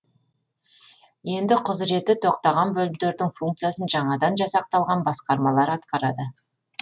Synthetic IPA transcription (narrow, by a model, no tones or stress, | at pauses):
je̞nd̪ɪqʰʊzɾe̞t̪ːɪt̪ʰo̞qt̪ɑʁɑnbɵlmd̪e̞ɾd̪ɪŋfuŋk̚t̪sɨjasənʒɑɴɑd̪ɑnʒɑsɑq̚t̪ɑlˠʁɑnbɑsqɑɾmɑlˠɑɾɑt̪qɑɾɑd̪ə